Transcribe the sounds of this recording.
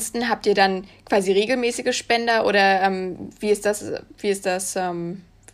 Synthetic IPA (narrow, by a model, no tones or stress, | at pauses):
stn̩ɦaːp̚tʔiːɐdankv̥aːziːʁeːɡl̩mɛːsɪɡəʃpɛndɐʔo̰ːɾɐʔɛːmv̥iːɪst̚d̥asviːɪstd̥asʔɛːm